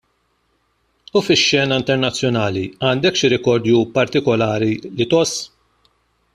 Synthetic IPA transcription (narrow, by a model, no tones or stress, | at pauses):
ufɪʃːɛːnɐɪnt̪ɛɾnɐt͡sːjɔnɐːliɐːnd̪ɛkʃɪɾɛkɔɾd̪jupɐɾt̪ɪkɔlɐːɾilɪt̪ɔsː